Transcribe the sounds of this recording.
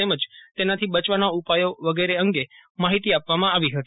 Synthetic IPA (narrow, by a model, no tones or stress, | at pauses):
eməd͡ʒt̪enat̪ʰibət͡ʃʋanaupajoʋəɡeɾeəŋɡemaɦit̪iapʋamãaʋiɦət̪i